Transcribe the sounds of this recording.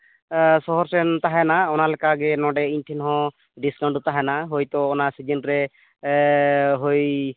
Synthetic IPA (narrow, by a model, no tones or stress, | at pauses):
sɔɦɔɾsɛnt̪aɦɛnaɔnalɛkaɡɛnɔɖɛinʈʰinɦɔ̃ | ɖiskawɳɖut̪aɦanaɦojt̪ɔːnasid͡ʒenɾɛ | ɦoj